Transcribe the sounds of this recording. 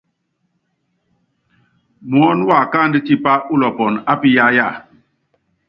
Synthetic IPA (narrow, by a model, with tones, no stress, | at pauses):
mwɔ˨˦n˦wa˨kaː˦˨ndi˦t͡ʃi˦pa˦ʔu˦lɔ˨pɔ˨na˦pi˦ja˦ja˦˨